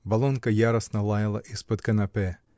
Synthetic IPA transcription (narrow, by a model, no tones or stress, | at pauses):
bɐlˠonkɐjaɾɐsnɐlˠajɐlˠɐʔispɔt̪̚kɐnɐpɛ